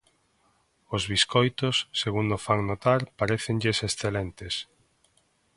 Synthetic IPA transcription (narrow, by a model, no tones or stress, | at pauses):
ozβiskojt̪osːeɣund̪ofaŋnot̪aɾpaɾeθeŋʎesesθelent̪es